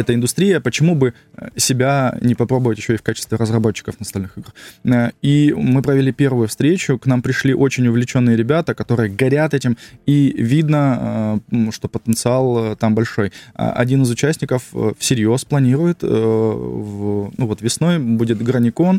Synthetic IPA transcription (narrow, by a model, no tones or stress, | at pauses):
ɛt̪əɪnd̪ʊst̪ɾʲijəpət͡ɕɪmubɨ | sʲɪbʲanʲɪpɐpɾo̞bəvətʲjɪɕːoifkat͡ɕɪst̪vʲɪɾəzrɐbo̞t͡ɕːɪ̥kəfnəɐst̪ɐlʲnɨxɨɡrəimɨpɾəvʲɪlʲipʲe̞rvʊjʊfst̪ɾʲet͡ɕʊknampɾʲɪʂlʲiʔo̞t͡ɕɪnʲʊvlʲɪt͡ɕo̞nːɨjəɾʲɪbʲat̪əkɐt̪o̞ɾɨjəɡɐɾʲat̪ɛtʲɪmivʲid̪nə | ʂt̪o̞pət̪ənt̪sɨalˠt̪ambɐlʲʂo̞j̰ʔɐ̰dʲinɨzʊt͡ɕæsʲnʲɪkəffsʲɪɾʲjo̞splˠɐnʲiɾʊjɪt̪ | vnuvo̞t̪vʲɪsno̞jbudʲɪt̪ɡɾənʲɪko̞n